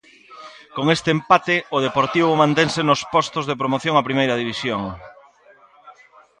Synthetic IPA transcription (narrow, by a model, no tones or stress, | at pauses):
koŋest̪eːmpat̪ɪʊð̞epoɾt̪iβʊmãnt̪eŋsenospɔst̪ozðep̬ɾomoθjoŋɐpɾimejɾɐðiβisjoŋ